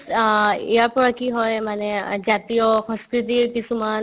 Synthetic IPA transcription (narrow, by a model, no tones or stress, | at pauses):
japɔɾakiɦɔjmaned͡ʑat̪ijɔhə̃skɾit̪̬ipisuman